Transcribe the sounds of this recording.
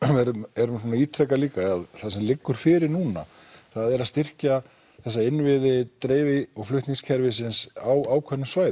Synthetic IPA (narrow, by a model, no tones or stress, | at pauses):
vɛɾʏmɛɾʏmsɔːnaiːt̪ʰɾɛkːaliːkaaðθasɛmlɪkːʏɾ̥fɪːɾɪɾnuːna̰ | θaðɛɾaðst̪ɪr̥ca | θɛs̬ːaɪnvɪðɪt̪ɾeːjvɪɔɣflʏht̪niŋscʰɛɾvɪsɪnsawaːwkʰvɛnːʏmsvaːjð